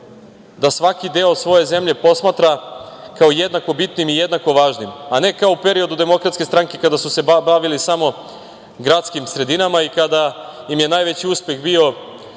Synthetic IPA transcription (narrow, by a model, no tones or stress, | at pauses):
d̪asʋakid̪eosʋo̞je̞ze̞mʎe̞po̞smaːt̪ɾakaojed̪nako̞bit̪nimijed̪nako̞ʋaːʒnimane̞kaoupe̞ɾio̞d̪ud̪e̞mo̞kɾat̪ske̞st̪ɾaŋke̞kad̪asuse̞bbaʋilisamo̞ | ɡɾat̪skimsɾe̞d̪inamaikad̪aimje̞naːjʋet͡ɕiuspe̞ɣbio̞